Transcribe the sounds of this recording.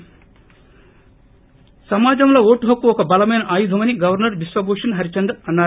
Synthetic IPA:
sɐmaːd͡ʒɐmlo̞ːoːʈuɦɐkːuɔkɐbɐlɐmɐjnɐʔaːjud̪ʱɐmɐniɡɐʋɐɾnɐɾʋisʋɐboːʂɐnɦɐɾit͡ʃɐnd̪ɾɐɐnːaː

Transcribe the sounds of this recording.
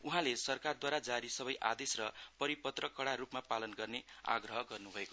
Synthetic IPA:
uɦãlesʌrkard̪waɾad͡zaɾisʌbʌjʔa̰d̪esrʌpʌɾipʌt̪rʌkʌɽaɾupmapalʌnɡʌrnea̰ɡrʌɦʌɡʌrnubʱʌeko

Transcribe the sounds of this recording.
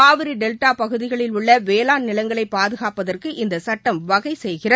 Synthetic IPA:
aːʋɪɾiɖɛlʈaːpɐɣɯðɪɣɐɭɪlʊɭːɐʋeːlaːnnɪlɐŋɡɐɭɐɪpːaːðɯɣaːpɐðɐrkɯʔɪnd̪ɐsɐʈːɐmʋɐɣɐɪsɛjɣɪrɐ

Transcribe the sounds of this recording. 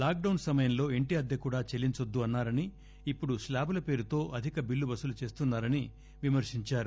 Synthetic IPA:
laːk̚ɖɐwnsɐmɐjɐmlo̞ːeɳʈiɐd̪ːɐkuːɽaːt͡ʃelːiɲt͡ʃɐd̪ːuɐnːaːɾɐniː | pːuɽuslaːbulɐpe̞ːɾut̪o̞ːʔɐd̪ʱikɐbilːubɐsulut͡ʃe̞ːst̪unːaːɾɐni | ʋimɐɾʂiɲt͡ʃaːɾu

